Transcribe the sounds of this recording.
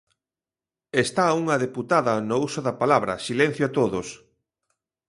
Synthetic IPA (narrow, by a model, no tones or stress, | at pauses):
est̪auŋɐðeput̪aðɐnousoðɐpalaβɾɐsilen̟θjoat̪oðʊs